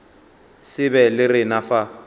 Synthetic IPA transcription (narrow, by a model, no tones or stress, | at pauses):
sɪbɛlɪrɪnafa